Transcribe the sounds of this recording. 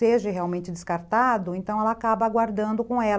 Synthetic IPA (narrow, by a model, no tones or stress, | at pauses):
eʒɐɦeawmẽnt͡ʃɪd̪ɪskaɾt̪ad̪ʊẽnt̪ɐ̃w̃ɛlɐakabɐaɡwaɾd̪ɐ̃nd̪ʊkõw̃ɛ